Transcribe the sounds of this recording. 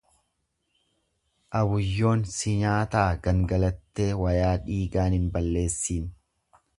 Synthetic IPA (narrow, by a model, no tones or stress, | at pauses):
ʔɐbʊjːo̞ːnsɪɲaːt̪aːɡɐŋɡɐlɐt̪ːe̞ːwɐjaːᶑiːɡaːnɪnbɐlːe̞ːsːiːn